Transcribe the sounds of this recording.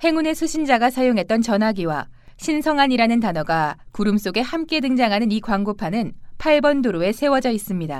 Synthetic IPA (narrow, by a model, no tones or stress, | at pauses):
he̞ŋune̞sʰuɕʰind͡ʑaɡasʰajoŋɦe̞t̚t͈ʌnt͡ɕʌnɦaɡiwa̰ɕʰinsʰʌŋɦaɲiɾanɯntanʌɡakuɾɯms͈oɡe̞hamk͈e̞dɯŋd͡ʑaŋɦanɯnikwaŋɡopʰanɯnpʰaɭbʌndoɾoe̞sʰe̞wʌd͡ʑʌis͈ɯmɲida̰